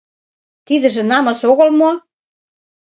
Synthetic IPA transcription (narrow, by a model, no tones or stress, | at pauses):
t̪id̪ɘ̆ʒĕnɑmɤ̆soɣɤ̆lmo